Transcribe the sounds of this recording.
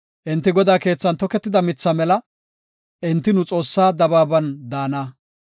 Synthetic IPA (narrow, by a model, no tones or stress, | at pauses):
ʔɪnt̪ːɪɡɔd̪aːke̞ːt͡sːɐnt̪ɔkɛt̪ːɪd̪ɐmɪt͡sːɐmɛlɐ | ʔɪnt̪ːɪnʊt͡sʼo̞ːsːaːd̪ɐbaːbɐnd̪aːnaː